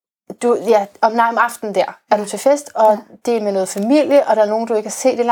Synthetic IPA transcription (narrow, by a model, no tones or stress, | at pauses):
d̥ujæɒ̽mnɑ̈ɪɒ̽mɑ̈fd̥n̩d̥æɐ̰æɐɾ̥ut͡sʰe̝fesd̥ɒ̽d̥e̝menɔ̽ːð̞̩ˠfæmil̰jəʔɒ̽ɾ̥ɑ̈æɐno̝ːn̩d̥ue̝ɡ̥kʰhɑse̝̰ːd̥e̝l